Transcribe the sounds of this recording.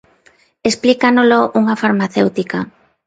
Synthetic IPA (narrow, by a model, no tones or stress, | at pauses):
esplikanoloʔuŋafaɾmaθewt̪ika